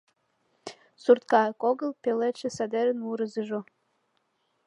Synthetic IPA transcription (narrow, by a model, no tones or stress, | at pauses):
surt̪̚kɑkoɣəlpeleʃĕsæd̪eɾənuɾəzəʒo